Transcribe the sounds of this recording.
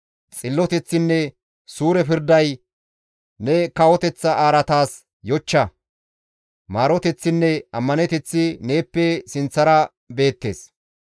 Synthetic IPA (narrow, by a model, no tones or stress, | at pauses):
t͡sʼɪlːɔt̪ɛt͡sːɪnːɛ | suːɾɛpɪɾd̪ɐj | nɛkɐwɔt̪ɛt͡sːɐʔaːɾɐt̪aːs | jɔt͡ʃːɐ | maːɾɔt̪ɛt͡sːɪnːɛɐmːɐnɛt̪ɛt͡sːɪne̞ːpːɛsɪnt͡sːɐɾɐ | be̞ːt̪ːe̞ːs